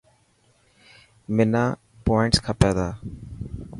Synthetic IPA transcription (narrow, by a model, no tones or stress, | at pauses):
mɪnaː | poːɪɳʈskʰãːpɛːd̪aː